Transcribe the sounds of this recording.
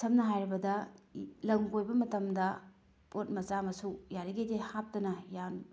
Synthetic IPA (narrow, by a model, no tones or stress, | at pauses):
sʰɐmnɐɦajɾɐbɐdɐlɐŋɡojbɐmɐtɐmdɐ | pʰot̚mɐt͡ʃamɐsujaɾiɡejtehap̚tɐnɐjan